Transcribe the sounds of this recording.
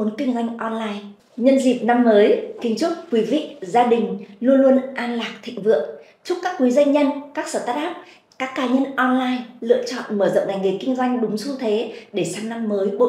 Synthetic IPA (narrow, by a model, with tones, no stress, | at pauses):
ə˨˦nkï˧ŋ̟zwa˧jŋ̟ʔɔ˧nlaː˧j | ɲə˧nzi˨˩p̚na˧mːəː˨˦jkï˨˦ŋ̟t͡ɕu˦˥t̚kwi˨˦vḭ˧˨zaː˧ɗï˨˩ŋ̟lu˧ənlu˧ənʔaː˧nlaː˨˩k̚t̪ʰḭ˧˨ŋ̟vɨ̰˧˨əŋ | t͡ɕʊ˦˥kaː˦˥kːwi˨˦za˧ŋ̟ɲə˧nkaː˦˥k̚səː˧˩t̪aː˦˥t̚ɗaː˦˥p̚ | kaː˦˥kːaː˨˦ɲə˧nʔɔ˧nlaː˧jlɨ̰˧˨ət͡ɕɔ̰˧˨nməː˧˩zə̰˧˨ŋ͡mɗa˨˩jŋi˨˩kï˧ŋ̟zwa˧jŋ̟ɗʊ˨˦ŋ͡msu˧t̪ʰe˨˦ɗe˧˩saː˧mna˧mːəː˨˦jɓo̰˧˨